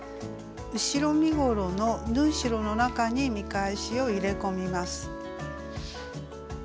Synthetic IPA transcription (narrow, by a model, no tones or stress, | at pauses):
ɯ̟ɕiɾo̞mʲiɡo̞ɾo̞no̞nɯ̟̃ːɰ̃ɕiɾo̞no̞nakaɲ̟imʲikaeɕio̞iɾe̞ko̞mʲimasɨ̥